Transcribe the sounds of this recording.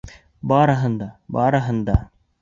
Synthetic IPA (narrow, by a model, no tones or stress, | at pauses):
baːɾɐɦɐnd̪abaːɾɐɦənd̪a